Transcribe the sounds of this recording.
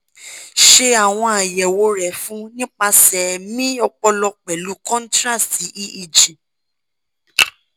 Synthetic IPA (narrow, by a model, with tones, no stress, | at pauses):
ʃe˧a˨w̃ɔ̃˧a˨jɛ˨wo˨˧˦ɾɛ˨fũ˨˦nĩ˦k͡pa˧sɛ˨mĩ˦ɔ˧k͡pɔ˧lɔ˧k͡pɛ˨lu˨˦kɔ̃˦n̩˦tɾa˦˨ssi˨˦ʔi˦ʔi˧d͡ʒĩ˨